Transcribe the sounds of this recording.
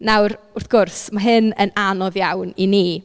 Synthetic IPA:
nawrʊrθɡ̥ʊrsmaɦɨnənanɔðjawnini

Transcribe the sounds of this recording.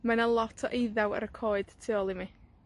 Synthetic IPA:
manəlˠɔtʰɔʔejðawə̰ɾəkʰoːɨd̥tʰɪɔlˠimi

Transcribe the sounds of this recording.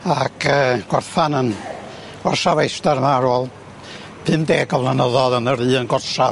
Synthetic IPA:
akʰəɡ̥ɔrθanən | ɡ̥ɔrsavejstaɾmaɾɔlˠ | pʰɨndeːɡɔvlˠanəðɔðənəɾɨːənɡɔrsa

